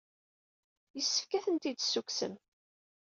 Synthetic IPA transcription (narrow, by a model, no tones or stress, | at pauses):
jəsːəfkæθənt̪id̪sːuksə̰m